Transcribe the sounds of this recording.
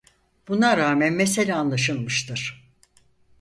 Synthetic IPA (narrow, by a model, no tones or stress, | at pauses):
b̥unaɾaːmænmese̞lʲɛanlˠaʃɯlˠmɯʃt̪ʰɯɾ̥